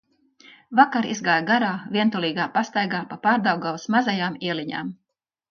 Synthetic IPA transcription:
vakaɾizɡaːjɡaɾaːvʲiɛnt̪ulˠiːɡaːpast̪ajɡaːpapaːɾd̪awɡawsmazajaːmiɛliɲa̰ːm

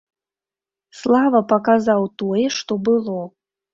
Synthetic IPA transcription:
slˠavɐpɐkazawt̪ɔjɛʂt̪ɔbɨlˠɔ

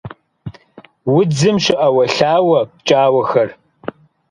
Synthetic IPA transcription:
wʊd͡zɨmɕɪʔɐwɐɬaːwɐpt͡ʃʼaːwɐxɐr

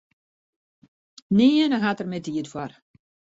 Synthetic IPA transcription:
niənəɦatərmɛdiːətwɔr

